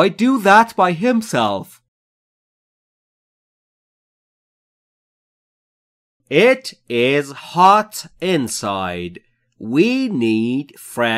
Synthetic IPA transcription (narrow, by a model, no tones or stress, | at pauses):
ɪdɨðət̚b̥aɪɪ̃msɛ̰lˠf | ɪɾɪz̥hɑɾɪ̃nsaɪd | winid̥fɹɛ̃